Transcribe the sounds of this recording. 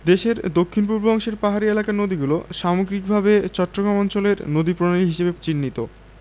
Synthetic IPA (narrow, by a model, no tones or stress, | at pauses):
d̪eʃeɾd̪okʰːinpuɾbʱɔŋʃeɾpaɦaɾielakanod̪iɡuloʃamoɡɾik̚bʱabet͡ɕɔʈːoɡɾamɔnt͡ɕoleɾnod̪ipɾonaliɦiʃebet͡ɕinːit̪o